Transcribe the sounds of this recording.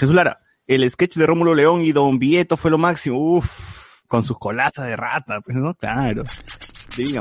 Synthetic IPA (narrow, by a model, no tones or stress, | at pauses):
xesuslaɾa̰ | ele̞ske̞t͡ʃðeromulo̞le̞o̞ŋiðo̞mbje̞t̪o̞fwe̞lo̞maksimouf | ko̞nsusko̞lasazðera̰t̪apwesnoklaɾod̪eβiɣa